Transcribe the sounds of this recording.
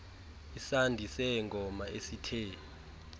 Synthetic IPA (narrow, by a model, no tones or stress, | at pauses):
isandʱisɛŋɡʱɔmaesitʰɛː